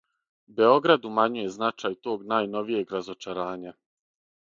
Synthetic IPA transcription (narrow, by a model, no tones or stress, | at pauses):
be̞o̞ɡɾad̪umaɲuje̞znat͡ʃajt̪o̞ːɡnaːjno̞ʋije̞ɡɾazo̞t͡ʃaɾaːɲa